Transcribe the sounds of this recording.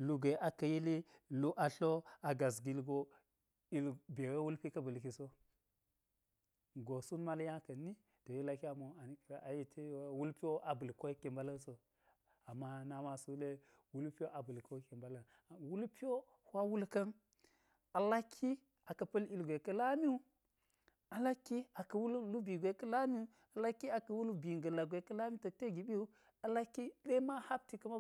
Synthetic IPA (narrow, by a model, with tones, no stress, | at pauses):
lu˦ɡʷe˨ʔa˨kɐ˨ji˦li˦lu˦ʔa˨ɬo˦a˨ɡa˨s̬ɡi˦lɡo˦ | i˦lbe˨we˦wu˦lpi˦kɐ˦bu˨lki˨so˦ | ɡo˨su˦nma˦lja˦kɐ˨ni˦ | to˨ji˦la˦ki˦a˨mo˨a˨ni˦ke˦ʔa˨ji˦tʰe˦wu˦lpi˦o˦ʔa˨bu˨lko˦ke˨mba˦la˦nso˨ | a˨mːa˦na˦ma˨su˦le˦ | wu˦lpi˦o˦ʔa˨bu˨lko˦ke˨mba˦la˨n˨ | wu˦lpi˦o˦ | hʷa˦wu˦lkɐ˦n | a˨la˦kʰːi˦ | a˨kɐ˨pɐ˦li˨lɡʷe˨kɐ˦la˦mi˦u˦ | a˨la˦kːi˦a˨kɐ˨wu˦llu˦bi˨ɡʷe˨˦kɐ˦la˦mi˦u˦ | a˨la˦kːi˦a˨kɐ˨wu˦lu˦bi˨ŋɡɐ˨la˨ɡʷe˨kɐ˦la˦mi˦to˨te˦ɡi˨bi˦u˦ | a˨la˦kːi˦ɗe˦ma˦ha˦b̚ti˨kɐ˦ma˦